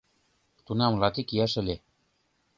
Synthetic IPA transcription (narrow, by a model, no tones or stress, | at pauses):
t̪unɑmlɑt̪ikjæʃɘ̆lʲe